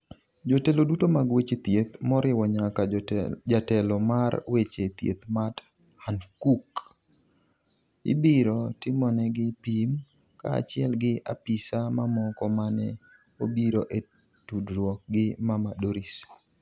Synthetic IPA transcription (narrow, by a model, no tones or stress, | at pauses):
d͡ʒotelodutomaɡwet͡ʃet̪jet̪mɔɾɪwɔɲakad͡ʒatɛlɔmarwet͡ʃet̪jḛt̪mat | hankuk | ɪ̰biɾɔtɪmɔnɛɡɪpim | ka̰a̰t͡ʃɪɛlɡɪʔa̰pisamamɔkɔmanɛ | obiɾoʔe | tudɾwɔk̚ɡɪmamadoɾis